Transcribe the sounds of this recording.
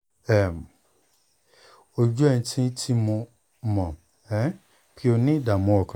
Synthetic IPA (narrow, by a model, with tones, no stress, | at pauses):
ɛ˨m˨ | o˦d͡ʒu˦ɛ˦˨n̩˦tʰĩ˦n̩˦tʰi˦mũ˧˦ | mɔ̃˨ | ɛ˨˦ | kʰi˦o˧nĩ˦da˨mũ˨˦ɔ˨kʰã˨